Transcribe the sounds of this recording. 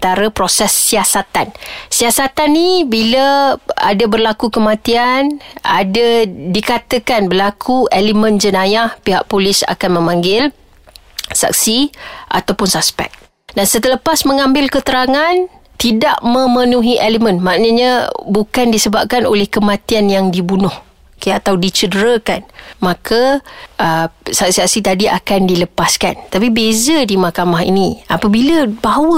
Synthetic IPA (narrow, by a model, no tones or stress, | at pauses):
t̪aɾəpɾosɛsːiasat̪ansiasat̪anːibiləa̰dabərlakukəmãt̪ianʔadadikat̪əkanbərlakʰuelimə̃nd͡ʒənãjahpiɦa̰ʔpolɪsa̰kanmə̃mãŋɡɪl | sa̰k̚siʔa̰t̪awpʊnsaspɛ̰k̚ | dansət̪ələpasmə̃ŋãmbɪlkət̪əɾaŋant̪idaʔmə̃mənũɦiʔeləmə̃nmaʔnəɲəbukandisəbap̚kano̰lɛhkəmãt̪ianjaŋdibunʊh | keat̪awdit͡ʃədəɾakanmakʰaʔəsak̚siak̚sit̪adia̰kandiləpaskant̪apibezədimakamaɦḭnĩʔapabiləbaɦwə